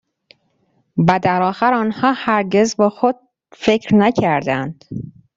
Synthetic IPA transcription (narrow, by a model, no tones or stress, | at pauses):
bæd̪æɾɒːxæɾɒːnhɒːhæɾɟe̞zbexod̪̥̚ | fecʰɾnæcʰæɾd̪ænd̪̥